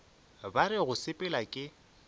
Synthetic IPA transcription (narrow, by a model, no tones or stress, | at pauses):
baɾɪɣʊsɪpʼɪlakʼɪ